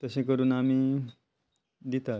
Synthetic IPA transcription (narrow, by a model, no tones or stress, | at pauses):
t̪əsẽkəɾuːnami | d̪it̪a